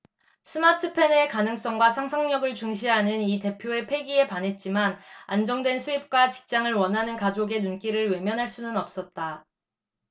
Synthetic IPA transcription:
sʰɯmatʰɯpʰe̞ne̞kanɯŋs͈ʌŋɡwasʰaŋsʰaŋɲʌɡɯɭt͡ɕuŋɕʰiɦanɯnite̞pʰjoe̞pʰe̞ɡie̞panɦe̞t̚t͡ɕ͈imana̰nd͡ʑʌŋdwe̞nsʰuip̚k͈wat͡ɕi̥k̚t͡ɕ͈aŋɯɭwʌnɦanɯnkad͡ʑoɡe̞nunk͈iɾɯɭwe̞mjʌnɦaɭs͈unɯnʌp̚s͈ʌt̚t͈a

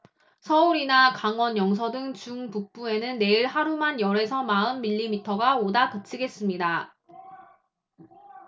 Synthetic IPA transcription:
sʰʌuɾinakaŋwʌnjʌŋs̬ʰʌdɯŋt͡ɕuŋpuk̚p͈ue̞nɯnːe̞iɭhaɾumanjʌɾe̞sʰʌmaɯnmiʎːimitʰʌɡaodakʌt͡ɕʰiɡe̞s͈ɯmɲida

